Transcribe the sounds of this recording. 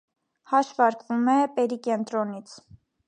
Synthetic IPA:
hɑʃvɑɾkvumɛpɛɾikɛnt̪ɾɔnit͡sʰ

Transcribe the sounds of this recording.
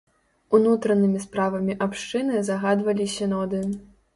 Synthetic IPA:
unut̪ɾɐnɨmʲispɾavɐmʲiʔapʂt͡ʂɨnɨzɐɣad̪vɐlʲisʲɐnɔd̪ɨn

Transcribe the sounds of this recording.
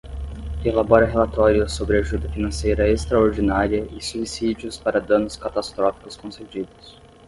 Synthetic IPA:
elabɔɾɐɦelat̪ɔɾjʊsobɾɪaʒud̪ɐfinɐ̃sejɾɐest̪ɾɐoɾd͡ʒinaɾiɐʔɪsuisid͡ʒiʊspaɾɐd̪ɐ̃nʊskat̪ast̪ɾɔfi̥kʊskõsed͡ʒid̪ʊs

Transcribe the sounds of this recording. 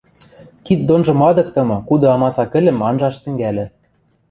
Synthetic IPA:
kit̪̚d̪onʒɤ̆mɑd̪ɤ̆k̚t̪ɤ̆mɤ̆kud̪ɤ̆ɑmɑsɑkɘ̆lʲɘ̆mɑnʒɑʃt̪ɘ̆ŋɡælʲɘ̆

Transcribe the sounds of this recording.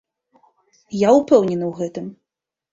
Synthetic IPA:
jaupɛwnʲɛnɨwɣɛt̪ɨm

